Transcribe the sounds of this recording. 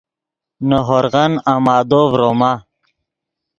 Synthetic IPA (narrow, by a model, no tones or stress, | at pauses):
nəɦoɾɣɐnamaːd̪ovɾoma